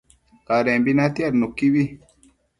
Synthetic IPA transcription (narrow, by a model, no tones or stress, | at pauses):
kaɾembinat̪iaɾnukːibi